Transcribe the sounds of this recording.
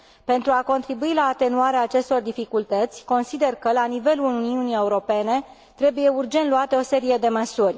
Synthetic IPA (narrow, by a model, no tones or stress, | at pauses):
pe̞nt̪ɾuako̞nt̪ɾibuilaːt̪e̞nuaɾeaːt͡ʃe̞st̪o̞rd̪ifikult̪ət̪sʲko̞nsid̪e̞rkəlanive̞luluniunije̞uɾo̞pe̞ne̞ | t̪ɾe̞buje̞urd͡ʒe̞nt̪luat̪eo̞se̞ɾije̞d̪e̞məsurʲ